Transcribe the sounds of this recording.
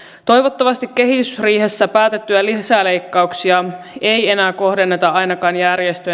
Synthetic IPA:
t̪o̞jʋo̞t̪ːɑʋɑst̪ikːe̞ɦit̪ysriːɦesːæpæːt̪e̞t̪ːyælisæːle̞jkːɑuksiɑe̞je̞næːko̞hde̞nːet̪ɑɑjnɑkɑːnjærjest̪ø

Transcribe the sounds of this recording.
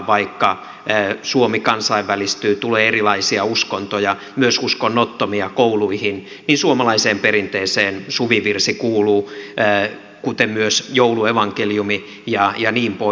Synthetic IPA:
ʋɑikːɑː | suomikɑnsɑiʋːælist̪yːt̪uleːerilɑisiɑuskont̪ojɑ | myøsuskonːot̪ːomiɑkouluihin | ninsuomɑlɑiseːmpeɾint̪eiseːnsuʋiʋirsikuːluː | kut̪emmyøsjoulueʋɑŋkeljumi | jɑjɑniːmpo

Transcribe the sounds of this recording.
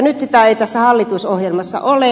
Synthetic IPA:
nyt̪sit̪æeit̪æsːæhɑlːit̪usohjelmɑsːɑ̰ʔole

